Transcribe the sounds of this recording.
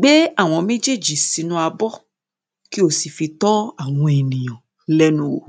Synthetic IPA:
ɡ͡be˦a˦˨w̃ɔ̃˧mẽ˦d͡ʒe˦˨d͡ʒi˨si˨˧nũ˦a˧bɔ˦ | ki˦o˦˨si˨fi˧tɔ˦a˦˨w̃ɔ̃˧e˨nĩ˨j̃ɔ̃˨ | lɛ˦nũ˦o˨

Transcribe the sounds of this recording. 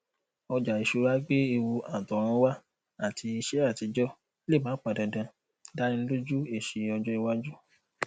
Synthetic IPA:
ɔ˧d͡ʒa˨i˨ʃu˧˦ɾa˦ɡ͡be˦i˧wu˧a˨tɔ˨ɾ̃ã˨˦wa˦ | a˦˨tʰi˧i˧ʃe˦a˦˨ti˨˧˦d͡ʒɔ˦ | le˦˨mã˨˦k͡pa˨dã˨dã˧ | da˦ɾĩ˦n̩˦lu˦d͡ʒu˦e˦˨ʃi˧˨ɔ˧d͡ʒɔ˦i˧wa˦d͡ʒu˦

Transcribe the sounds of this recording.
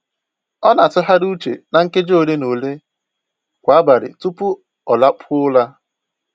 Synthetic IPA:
ɔ˦na˨tʊ˦ɦa˦ɾu˦t͡ʃḛ˨na˨ŋ̩˦ke˦d͡ʒo˦˨le˦no˨le˦ | kʷa˨a˦ba˨ɾɪ̰˨tu˦pʊ˦ | ɔ˨la˦pʰʊ˦ʊ˦la˦

